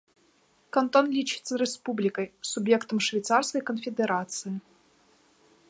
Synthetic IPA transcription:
kɐnt̪ɔnlʲit͡ʃɨ̥t̪sːɐɾɛspublʲikɐjsubʲjɛkt̪ɐmʂvʲɛjt̪sarskɐjkɐnfʲɛd̪ɛɾat̪sɨji

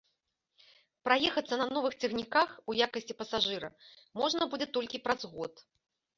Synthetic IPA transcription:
pɾajɛxɐt̪sːɐnɐnɔvɨxt͡sʲɛɣnʲikaxujakɐsʲt͡sʲipɐsaʐɨɾɐ̰ | mɔʐnɐbud͡zʲɛt̪ɔlʲkʲipɾɐzɣɔt̪

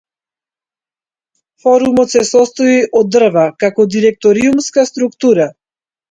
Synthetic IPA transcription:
fɔɾumɔt̪sɛsɔst̪ɔiʔɔd̪r̩vakakɔd̪iɾɛk̚t̪ɔɾiumskast̪ɾukt̪uɾa

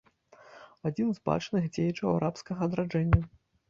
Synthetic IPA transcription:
ad͡zʲinzba̰t͡ʂnɨxd͡zʲejɛt͡ʂɐwaɾapskɐɣɐːd̪ɾad͡ʐɛnʲːɐ

